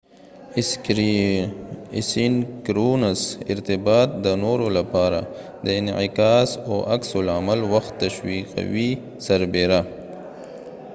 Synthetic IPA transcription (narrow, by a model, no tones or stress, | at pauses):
sinkɾunasɪ̰ɾt̪ɪbɑt̪̚d̪ənoɾolapɑɾa̰ | d̪əɪnʕɪkɑːsoʔa̰ksʊlamalwaxt̪ːaʃwiqa̰wi | saɾbeɾa